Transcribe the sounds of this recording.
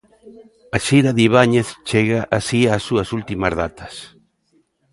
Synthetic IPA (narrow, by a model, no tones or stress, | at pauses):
aʃiɾaðiβaɲeθt͡ʃeɣaʔasiasːuɐsult̪imazðat̪ʰɐ̥s